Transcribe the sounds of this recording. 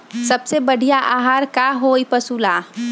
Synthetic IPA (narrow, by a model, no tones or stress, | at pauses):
sɐbsebɐɽ̤ʱijaʔaːɦaːɾkaɦoːipɐsuːlaː